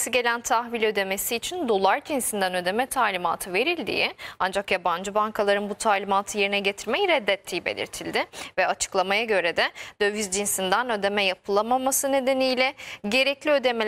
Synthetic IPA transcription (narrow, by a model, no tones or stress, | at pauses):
siɟe̞lʲænt̪ʰahvilʲø̞d̪e̞me̞siːt͡ʃʰind̪o̞lˠaɾd͡ʒinsind̪ænø̞d̪e̞mɛt̪ʰaːlʲima̰ːt̪ʰɯve̞ɾilʲd̪ḭːiand͡ʒakjaband͡ʒɯbaŋkʰalˠaɾɯnbut̪ʰaːlʲimaːt̪ʰɯje̞ɾinɛɟe̞t̪ʰiɾmejiɾɛd̪ːɛt̪ʰːijibe̞̰lʲḭɾt̪ʰilʲd̪ɪvɛat͡ʃʰɯ̥klˠamajaɟø̞ɾɛd̪ɛd̪̥øvyzd͡ʒinsind̪ænø̞d̪e̞mɛjapʰɯlˠamamasɯne̞d̪e̞nijlʲɛɟe̞ɾɛclʲiø̞d̪e̞me